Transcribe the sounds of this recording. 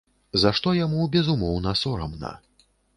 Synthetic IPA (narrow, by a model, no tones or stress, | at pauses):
zaʂt̪ɔjamubʲɛzumɔwnɐsɔɾɐ̰mnɐ̰